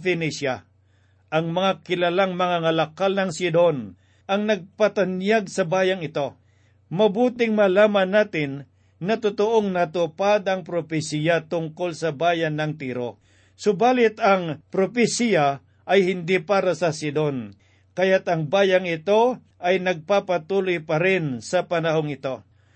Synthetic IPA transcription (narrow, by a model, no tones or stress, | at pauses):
fɪnisja | ʔɐŋmɐŋakɪlɐlaŋmɐŋaŋɐlɐkalnɐŋsɪd̪on | ɐŋnɐɡ̚pɐt̪anjaɡsɐbaːjaŋɪt̪o̞ | mɐbuːt̪ɪŋmɐlaːmanːaːt̪ɪnː | ɐt̪ʊt̪oʔoŋnɐt̪ʊpad̪ɐŋpɾopɪsijat̪ʊŋkolsɐbaːjanːɐŋt̪iːɾo̰ | sobaːlɪt̪ɐŋpɾopɪsija | ʔɐjhɪnd̪ipaːɾɐsɐsɪd̪on | kɐjat̪ɐŋbaːjaŋɪt̪o | ʔɐjnɐɡ̚papat̪uːlʊjpɐɾɪnsɐpɐnɐɦoŋɪt̪o̞